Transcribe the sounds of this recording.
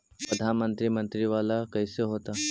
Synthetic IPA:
pɾəd̪ʱanmənt̪ɾimənt̪ɾiʋalakɐjseɦoːt̪a

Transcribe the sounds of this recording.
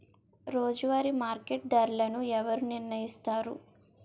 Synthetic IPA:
ɾoːd͡ʒuʋaːɾimaːɾkeʈ̚d̪ɐɾlɐnuɛʋɐɾuniɾnɐjist̪aːɾṵ

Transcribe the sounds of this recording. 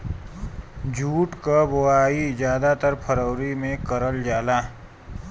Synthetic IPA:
d͡ʒʱuːʈkaboaːid͡ʒjaːd̪at̪əɾpʰəɾəʊɾimẽkəɾəld͡ʒaːlaː

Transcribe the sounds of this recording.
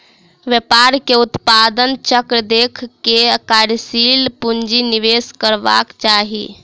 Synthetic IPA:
ʋjepaɾkeut̪pad̪ənt͡ʃəkɾəd̪ekʰkekaɾsilpund͡ʒiniʋeskəɾba̰kt͡ʃaɦḭ

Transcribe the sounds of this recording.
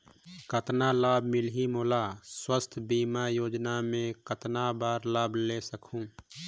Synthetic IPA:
kət̪nalaːbmɪlɦimoːlaswəst̪ʰbiːmajoːd͡ʒnamẽkət̪nabaːɾlaːblesəkʰũː

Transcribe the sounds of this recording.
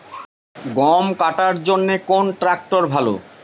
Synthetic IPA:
ɡɔmkaʈaɾd͡ʑonːekonʈɾak̚ʈoɾbʱalo̰

